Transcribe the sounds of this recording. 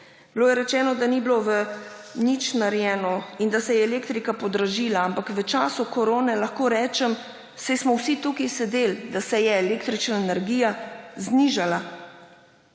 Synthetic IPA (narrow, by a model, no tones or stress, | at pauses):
biloːjɛɾɛt͡ʃɛːnɔd̪anibloʋənit͡ʃnaɾjɛːnɔind̪asɛjɛːleːkt̪ɾikapɔd̪ɾaʒiːlaampakʋət͡ʃaːsukoɾoːnɛlaxkoːɾɛːt͡ʃɛm | sɛjsmɔwsit̪ukisɛd̪eld̪asɛjɛːleːkt̪ɾit͡ʃnaenɛɾɡijazniʒala